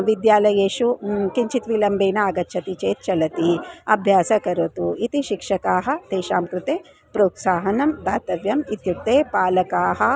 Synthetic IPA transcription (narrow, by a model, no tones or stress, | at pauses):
ʋid̪jaːlɐjeːʃukiɲt͡ʃit̪ʋilɐmbeːnɐːɡɐtːʃʰɐt̪it͡ʃeːt̪̚t͡ʃɐlɐt̪iɐbʱjaːsɐkɐɾɐt̪uit̪iʃikʂɐkaːɦɐ̆t̪eːʃaːmkɾɪt̪eː | pɾuːksaːɦɐnɐmd̪aːt̪ɐʋjɐmit̪juk̚t̪eːpaːlɐkaːɦɐ̆